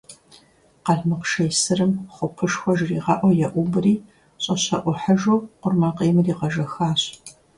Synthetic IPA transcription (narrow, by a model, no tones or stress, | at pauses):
qɐɮmɨqʃɐjsɨrɨmχʷʊpʰɨʂxʷɔʒriːʁɐʔʷɔjɛʔʷʊbɨriː | ɕʼɐɕɐʔʷʊħɐʒoːqʷʊrmɐqeːmriːqɐʒɐxaːɕ